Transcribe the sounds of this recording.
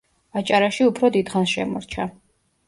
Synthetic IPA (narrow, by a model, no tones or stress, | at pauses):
at͡ʃʼaɾaʃiupʰɾɔd̪id̪̥χansʃɛ̰mɔ̰ɾt͡ʃʰa